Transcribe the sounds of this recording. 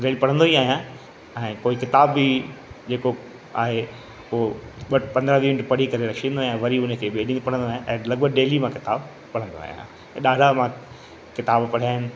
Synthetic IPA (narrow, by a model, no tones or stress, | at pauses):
ɖeːlipɐɽ̤ə̃nd̪oːiaːɦijã | ɛ̃ːkoːikɪt̪aːbːid͡ʑeːko | a̰ːɦe | ʊɦoɓɐpɐ̃nd̪ɾaʋiːʋɪnʈpɐɽ̤ikɐɾeɾɐkʃĩnd̪oːɦijãʋɐɾiʊnəkʰeːbeɗĩːnopɐɽə̃nd̪oaːɦjãʔɛ̃ːlɐɡ̚bəɡ̚ɖeːlimãkɪt̪aːb | pɐɽ̤ə̃nd̪o̰a̰ːɦijã̰ | ɛ̃ːɗaːɖʱamã | kɪt̪aːbpɐɽ̤aːɦɪnɪ̆